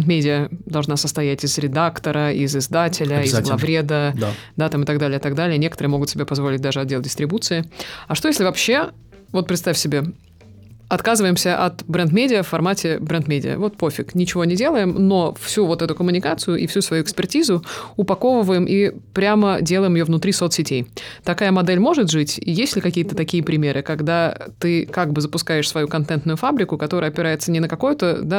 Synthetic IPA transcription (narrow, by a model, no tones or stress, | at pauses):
nt̪mʲedʲɪəd̪ɐlˠʐnasəst̪ɐjætʲɪzɾʲɪd̪akt̪əɾəɪzɪzd̪atʲɪlʲəɪzɡlˠɐvɾʲed̪əd̪d̪at̪amɨt̪ɐɡd̪alʲɪjət̪aɐɡd̪alʲɪənʲekət̪ɾɨəmo̞ɡʊt̪sʲɪbʲepɐzvo̞lʲɪt̚ʲd̪aʐɨɐd̪̚dʲelˠdʲɪst̪ɾʲɪbut̪sɨɪɐʂt̪ojesʲlʲɪvɐpɕːe̞ | vo̞t̪̚pɾʲɪt̪st̪afʲsʲɪbʲe̞ | ɐt̪kazɨvəjɪmsʲəʔɐt̪bɾɛnt̪mʲedʲɪəffɐrmatʲɪbɾɛnt̪mʲedʲɪ̰ə̰vo̞t̪̚pofʲɪknʲɪt͡ɕɪvo̞nʲɪdʲe̞lˠəjɪmno̞fsʲuvo̞t̪ɛt̪ʊkəmʊnʲɪkat̪sɨjʊʔifsʲusvɐjuɪkspʲɪrtʲizʊʊpɐko̞vəvəjɪmʔipɾʲamədʲe̞lˠəjɪmjovnʊt̪ɾʲisot̪sʲɪtʲejt̪ɐkajəmɐd̪ɛlʲmo̞ʐɨt̪ʐɨtʲḭjesʲtʲlʲɪkɐkʲijət̪ət̪ɐkʲijəpɾʲɪmʲe̞ɾɨkɐɡd̪at̪ɨkaɡ̚bɨzəpʊskajɪʂsvɐjukɐnt̪ɛnt̪nʊjʊfabɾʲɪkʊkɐt̪o̞ɾəjəɐpʲɪɾajɪt̪sənʲɪnəkɐko̞jʊt̪əd̪a